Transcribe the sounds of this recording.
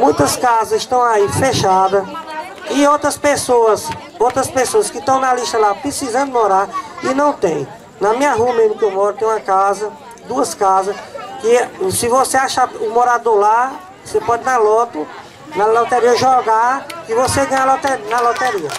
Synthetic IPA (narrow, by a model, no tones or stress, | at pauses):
mũj̃t̪ɐskazɐzɪʃt̪ɐ̃w̃aifeʃad̪ɐ | ɪowt̪ɾɐspesoɐs | owt̪ɾɐspesoɐskɪt̪ɐ̃w̃nɐliʃt̪ɐlapɾesizɐ̃nd̪ʊd̪ɪmoɾaɾɪnɐ̃w̃t̪ẽj̃ | nɐmĩɲɐɦuɐmẽzmʊkewmɔɾʊt̪ẽj̃ũɐkazɐ | d̪uɐskazɐskɪsɪvoseaʃaʊmoɾad̪ola | osepɔd͡ʒɪnɐlɔt̪ʊ | nɐlot̪eɾiɐʒɔɡakɪvoseɡɐ̃ɲlot̪enɐlot̪eɾiɐ